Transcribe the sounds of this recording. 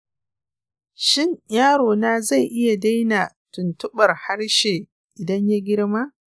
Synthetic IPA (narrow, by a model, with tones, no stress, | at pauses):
ʃɪ˦ɲjaː˦ɽoː˨naː˦za˦˨jʔɪ˦ja˨da˦jna˨tʊ˨ntʊ˦ɓɐ˨rha˦rʃeː˨ | ʔɪ˨dɐ˦ɲja˦ɡʲɪ˦ɽma˦